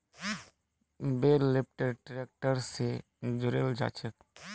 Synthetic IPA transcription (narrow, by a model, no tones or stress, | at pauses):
beːlːɪp̚ʈeɖʈɾeːk̚ʈəɾse | d͡ʒʊɾeːld͡ʒa̰ːt͡ʃək